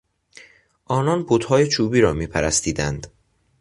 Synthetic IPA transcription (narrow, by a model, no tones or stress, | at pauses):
ʔɒːnɒnbot̪hɒːjet͡ʃʰuːbiːɾɒːmiːpʰæɾæst̪iːd̪ænd̪̥